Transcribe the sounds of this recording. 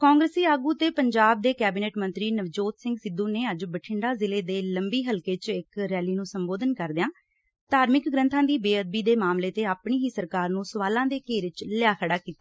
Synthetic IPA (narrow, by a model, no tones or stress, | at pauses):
kãːŋɡɾəsiːaːɡuːt̪eːpəɲd͡ʒaːb̚d̪eːkɛːbiːneːʈmə̃nt̪ɾiːnəʋd͡ʒoːt̪sɪ̃ŋɡsɪd̪ːũːneːəd͡ʒbəʈʰɪɳɖaːzɪleːd̪eːləmbiːɦəlkeːt͡ʃɪkɾɛːliːnũːsəmboːd̪ənkəɾd̪ɪãː | t̪aːɾmɪkɡɾə̃nt̪ʰãːd̪iːbeːəd̪̚biːd̪eːmaːmleːt̪eːaːpɳiːɦiːsəɾkaːɾnũːsʊʋaːlãːd̪eːkeːɾɪt͡ʃlɪjaːkʰəɽaːkiːt̪aː